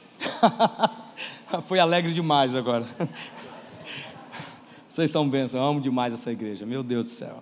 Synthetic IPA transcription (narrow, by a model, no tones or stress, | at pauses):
fojalɛɡɾɪd͡ʒɪmajzaɡɔɾɐ | osejssɐ̃w̃bẽsɐ̃w̃ɐ̃mʊd͡ʒɪmajzɛsɐiɡɾeʒɐmewd̪ewzd̪ʊsɛ̰w